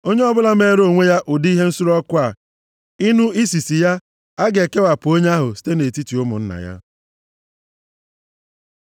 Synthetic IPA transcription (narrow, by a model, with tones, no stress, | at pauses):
o˦ɲe˦ɔ˦bʊ˦la˦m˦e˦ɾo˨ŋʷe˦ja˦ʔʊ˨dɦe˦n̩˦su˦ɾɔ˦kʊ˦a˨ | i˦nu˦i˦si˨si˨ja˦ | a˦ɡe˨ke˦wa˨pʊ˨o˦ɲe˦a˦ɦʊ˨si̥˦te˦ne˨ti˦ti˨ʊ˦mʊ̰˨n̩˦na̰˨ja̰˦